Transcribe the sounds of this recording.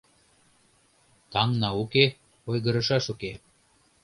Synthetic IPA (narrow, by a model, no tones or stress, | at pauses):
t̪ɑŋnɑuke | ojɣɤ̆ɾɤ̆ʃɑʃuke